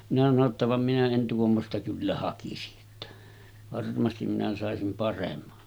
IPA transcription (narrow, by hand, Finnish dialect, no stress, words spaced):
minæ sɑno tːɑ ʋɑm minæ en tuomːostɑ kylːæ hɑkisiʔ ʔetːæ ʋɑrmɑstim minæ sɑˑesim pɑremːɑ